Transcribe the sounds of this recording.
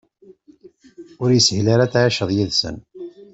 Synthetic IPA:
ʊɾjəsəʝlaɾat͡sːʕaʃəðˤjiðsə̰n

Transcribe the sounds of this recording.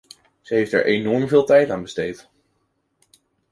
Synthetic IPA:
z̥əɦejftɛ̰ɹʔenɔɹmvɪːlˠtɛjtaːnbəstejt

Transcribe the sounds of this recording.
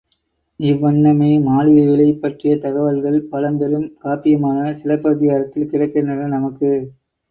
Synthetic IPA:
ɪʋːɐɳːɐmɐɪmaːlɪɐʋɪɭɐɪpːɐʈrɪjɐt̪ɐɣɐʋɐlɣɐɭpɐlɐnb̪ɐɾɯmkaːpɪjɐmaːnɐsɪlɐpːɐðɪɣaːɾɐt̪ːɪlkɪrɐɪkːɐnɐnɐnɐmɐkːɯ

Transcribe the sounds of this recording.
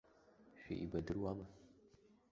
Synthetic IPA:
ʃʷᶣḭʔibadɨrwama

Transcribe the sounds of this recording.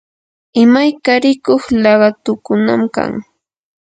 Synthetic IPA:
ɪmajkaɾɪkoχlɑɢɑt̪ʊkʊnamka̰ŋ

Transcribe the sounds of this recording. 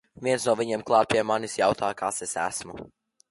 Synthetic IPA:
viɛnsnuɔvʲiɲeɛmklˠɑːt̪̚pʲiɛmanisjawt̪ʰaːjkaːsesæ̰smu

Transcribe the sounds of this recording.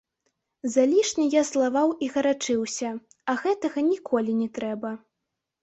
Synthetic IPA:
zalʲiʂnʲijaslˠavawiɣɐɾat͡ʂɨwsʲɐ | ɐɣɛt̪ɐɣɐnʲikʰɔlʲinʲɛt̪ɾɛbɐ

